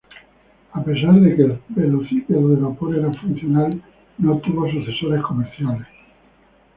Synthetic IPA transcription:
ape̞s̬aɾðe̞kelbeloθikoðeβapoɾeɾaɱfun̟θjonal | not̪uβos̬uθe̞so̞ɾe̞sko̞meɾθjales

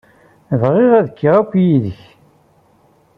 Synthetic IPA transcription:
əvʁeʁæðəkːiʁækʷːjiðəç

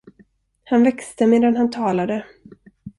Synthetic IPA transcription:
hanvɛkst̪əmeːd̪anhant̪ʰɑːlad̪ə

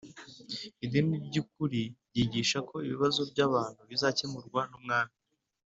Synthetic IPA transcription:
idimibɟuk̚uɾiɟiɟiːʃako̞iβiβazo̞bɟaβaːn̥huβizacemuɾɡwanumŋaːni

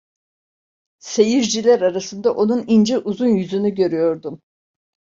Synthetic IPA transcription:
se̞jiɾd͡ʒilʲæɾaɾasɯnd̪aʔo̞nunind͡ʒiʔuzunjyzynyɟø̞ɾyjo̞ɾd̪um

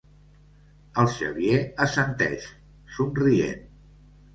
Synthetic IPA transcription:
əlˠʃə̰βieəsənt̪ɛ̰ʃ | sunriḛn

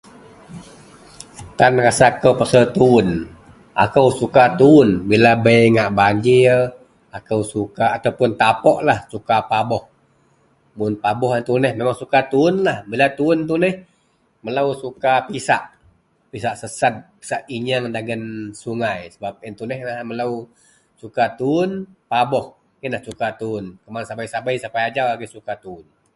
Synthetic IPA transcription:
t̪anrasakəwpəsəlt̪uʊn | ʔa̰kəwsukat̪uʊnbilabəjŋaʔbaɲd͡ʒɪr | akəwsukaːt̪awpʊnt̪apɔʔlahsukapabɔh | mʊnpabɔɦint̪unəhmemaŋsukat̪uʊnlahbilat̪uʊnt̪̬unɛh | məlawsukapisaʔ | pisaʔsəsat̪̚pi̥saʔiɲaŋdaɡənsuŋajsəbap̚ɪnt̪unɛhaməlaw | sukat̪uʊnpabɔh | inlahsukat̪uʊnkəmansabajsabajsapajad͡ʒawaɡisukat̪uʊn

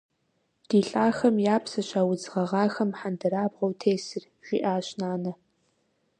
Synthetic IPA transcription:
d̥iːɬʼaːxɐmjaːpʰsɐɕaːwʊd͡zʁɐʁɑːxɐmħandɐɾaːbʁɐwtʰeːsɨr | ʒ̥ʷiʔaːɕnaːnɐ

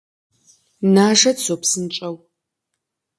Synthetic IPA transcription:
naːʒɐdsopsɨnt͡ʃʼɐw

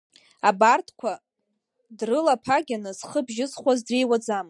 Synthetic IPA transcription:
abartʰkʷʰa | drɨlapʰaɡʲanɨzχəbʒɪsχʷazdrejwad͡zam

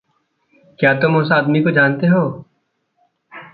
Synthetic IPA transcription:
kjaːt̪ʊmõːsaaːd̪mikod͡ʒaːnt̪eɦoː

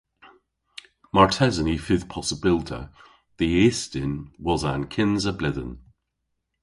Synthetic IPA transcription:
maɹtʰɛzənifɪð̥pʰɒsəbɪlˠtʰə̰ | ðiestɪnwɒzãnkʰɪ̃nzəblɪðə̰̃n

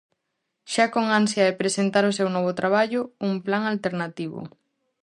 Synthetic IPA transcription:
ʃakoŋansjɐepɾesent̪aɾʊsewnɔβ̞ʊt̪ɾaβ̞aʎʊumplaŋalt̪eɾnat̪iβʊ̰

